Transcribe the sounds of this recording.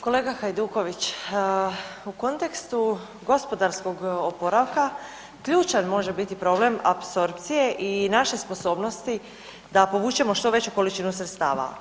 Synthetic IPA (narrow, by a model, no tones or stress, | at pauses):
ko̞le̞ːɡaxajd̪uːko̞ʋit͡ɕː | uko̞nt̪e̞kst̪u | ɡo̞spo̞d̪aɾsko̞ɡopo̞ɾaʋka | kʎuːt͡ʃanmo̞ʒe̞bit̪ipɾo̞ble̞mapso̞ɾpt̪sije̞ʔinaʃe̞spo̞so̞ːbno̞st̪i | d̪apo̞ʋuːt͡ʃe̞mo̞ʃt̪o̞ʋe̞t͡ɕuko̞lit͡ʃinusɾet̪st̪a̰ːʋa̰